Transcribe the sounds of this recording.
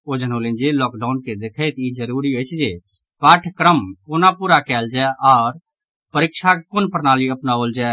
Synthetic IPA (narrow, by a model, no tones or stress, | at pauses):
oːd͡ʒənɦoːlẽnd͡ʒelɔːkɖaːʊnked̪ekʰet̪id͡ʒəɾuːɾiɦot͡ʃʰd͡ʒe | paːʈʰkɾəmkoːnapuɾakɛːld͡ʒɛːʔɔːɾ | pəɾɪkʃʰakʊnpəɾnaːliɐpnaoːld͡ʒaː